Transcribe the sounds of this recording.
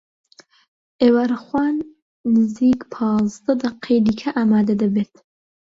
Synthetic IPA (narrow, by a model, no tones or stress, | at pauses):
ʔewɐɾxwaːnː | ɨziːkpʰɑːzd̪ɐd̪ɐqʰed̪iːkʰaʔaːmaːd̪ad̪ɐbeːt̪